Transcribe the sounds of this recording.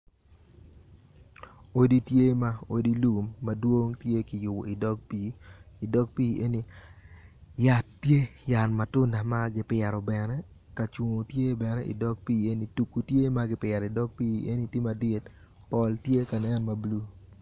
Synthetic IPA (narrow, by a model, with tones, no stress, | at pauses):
o˦di˦tje˦ma˦o˨di˦lu˨mːa˨dwo˦ŋtje˦ki˨jʊ˨wo̰˨i˨dɔ˦k̚piː˦˨dɔ˦k̚piː˦ʔe˦ni˦ | ja˦tːje˦ja˨nma˨tʊ˦na˨ma˦ɡɪ˦pɪɛ˨ɾɔ˨bɛ˨nɛ˦ | ka˨t͡ʃwo˨o˨tje˦bɛ˨nɛ˦ʔḭ˨dɔ˦k̚piː˦e˦ni˨tu˨ku˨tje˦ma˦ɡɪ˦pɪ˨ɛ˨ɾɪ˨dɔ˦k̚piː˦e˦ni˦tjie˦ma˨dɪ˦t | pɔ˨ltje˦ka˨nɛ˦nma˨blu˦